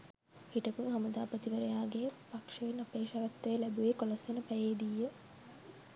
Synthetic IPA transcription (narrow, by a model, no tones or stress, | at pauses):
hiʈəkumɦɐməd̪aːpət̪iʋəɾəjaːɡepakʂəʋenɐpeːʃɐʋɐt̪ːəjəlæbuʋekolɐsʋenəpæjeːd̪ijːə